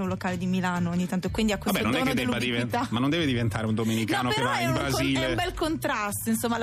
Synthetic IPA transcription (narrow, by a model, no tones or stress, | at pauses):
ũlokaːled̪imilaːnooɲːit̪ant̪oekːwind̪iakwesbɛtononɛoːnkːed̪elːubad̪iveamanːond̪ɛved̪ivent̪aːɾeund̪omenikɔːnopeɾkvaimbɾaziːlembɛlkont̪ɾast̪oinsomːal